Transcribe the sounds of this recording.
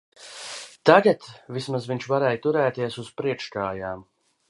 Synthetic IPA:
t̪aɡat̪vismazviɲʲt͡ʃvaɾɛːjt̪uɾɛːt̪iɛsuz̥pɾiɛkʃkaːjaːm

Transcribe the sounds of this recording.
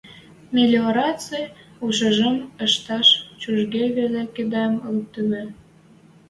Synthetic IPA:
mʲelʲeoɾɑt͡sejuʃəʒəməʃt̪ɑʃt͡ɕuʒɣeβeleked̪ɑməl̚t̪yme

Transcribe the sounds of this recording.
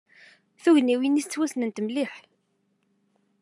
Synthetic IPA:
θuʝniwinist͡sːwæsnənt̪mliħ

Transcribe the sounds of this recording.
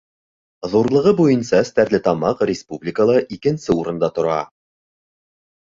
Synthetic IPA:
ðuɾlˠɤ̆ʁɤbujɤnsɑɘ̆st̪æɾlɘt̪ɑmɑqrʲɪspublʲɪkəlˠɑʔikɘ̆nsɘuɾɤ̆nd̪ɑt̪ŏɾɑ

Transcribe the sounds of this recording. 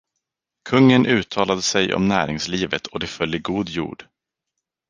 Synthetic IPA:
kʰɵŋːənʔʉ̟ːt̪ʰɑːlad̪əsɛjɔ̰mnæːɾɪŋsliːvət̪ʰɔd̪ɛfœlːəɡuːd̪jṵːɖ̥

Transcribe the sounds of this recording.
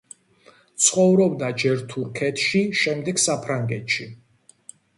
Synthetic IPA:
t̪sʰχɔvɾɔbd̪ad͡ʒɛɾt̪ʰuɾkʰɛt̪ʰʃiʃɛmd̪ɛɡsapʰɾaŋɡɛt̪ʰʃi

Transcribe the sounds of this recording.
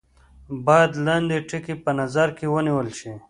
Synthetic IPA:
baːd̪land̪iʈʰikipənɐzaɾkiwəniwəlʃi

